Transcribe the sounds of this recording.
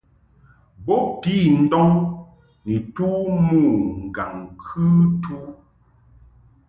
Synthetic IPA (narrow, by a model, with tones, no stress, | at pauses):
bɔ˦pi˦˨n̩˦dɔ˦ŋ | ni˨tuː˦mu˦˨ŋ̩˨ɡa˨ŋkʰʉ˦tu˦